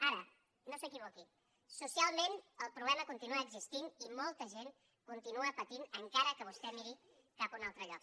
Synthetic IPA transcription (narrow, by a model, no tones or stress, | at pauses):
aɾə | nosəkiβ̞oki | susialˠmenəlˠpɾuβlɛməkunt̪inuaːɡzist̪inimɔlˠt̪əʒen | kunt̪inuəpət̪inəŋkaɾəkəβ̞ust̪ɛmiɾi | kapunalˠt̪ɾəʎɔk̚